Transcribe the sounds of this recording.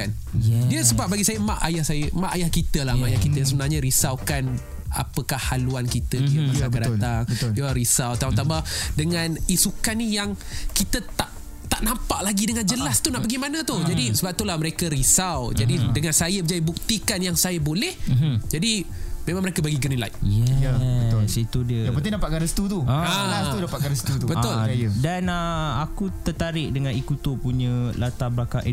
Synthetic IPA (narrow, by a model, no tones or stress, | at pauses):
kan | diəsəbap̚baɡisajəmaʔajahsajəmaʔajahkit̪əlamajahkit̪əsəbənarɲaɾisawkan | a̰pəkahːaluankit̪əijəmasaadat̪aŋəljaɾisawt̪aũt̪ambadəŋanisukanijaŋkit̪ət̪aʔ | t̪aʔnampaʔlaɡidəŋand͡ʒəlast̪unaʔbaɡimanə̃t̪uhd͡ʒadisəbap̚t̪ulahməɾekəɾisawd͡ʒadidəŋansajəbəd͡ʒaibuk̚t̪ikanjaŋsajabolɛhd͡ʒadimẽmãŋməɾekabaɡiɡənila̰jjɛ | sit̪udiəjapət̪idapat̪̚kanɾəst̪ut̪ualast̪udapat̪kanɾəst̪ut̪ubəʊljdanəakut̪ərt̪aɾɪʔ̚dəŋãnikut̪upuɲə̃lat̪abɾakaʔ